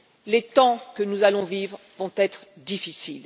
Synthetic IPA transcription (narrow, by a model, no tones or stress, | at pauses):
let̪ɑ̃kənuzalɔ̃vivʁ | vɔ̃t̪ɛt̪χd̪ifisil